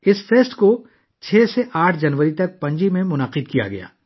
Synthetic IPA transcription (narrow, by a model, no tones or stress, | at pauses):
ɪsfeːsʈko | t͡ʃʰɛːseʔaːʈʰd͡ʒɐnʋəɾit̪ɐk̚pɐ̃ɲd͡ʒimẽmʊnaːqɪd̪̚kija̰ɡɐ̰ja̰ː